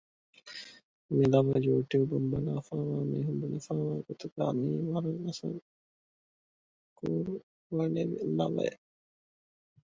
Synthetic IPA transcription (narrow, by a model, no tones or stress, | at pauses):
milɐʋɐjuːʈjuːbumbɐnaːfaːʋaːmeːɦumbunifaːʋaːɡot̪uɡa̰ːmiːʋɐɾɐnːɐsɐŋ | kuːɾu | ʋaneʋḭlɐʋɐ̰e